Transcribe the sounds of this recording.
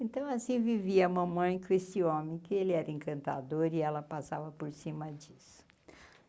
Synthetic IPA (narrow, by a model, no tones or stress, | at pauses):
ẽnt̪ɐ̃w̃asĩviviɐũmɐ̃mɐ̃j̃kõest͡ʃɪõmẽj̃kɪelɪɛɾɐẽkɐ̃nt̪a̰d̪oɾɪɛlɐpasavɐpoɾsĩmɐd͡ʒisʊ̥